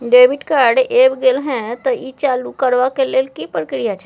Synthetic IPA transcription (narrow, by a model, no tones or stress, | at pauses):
ɖebʱiʈkaɾɖebɡelɦɛ̃t̪ɔit͡ʃalukəɾʋakelelkipɾəkɾijat͡ʃʰɛ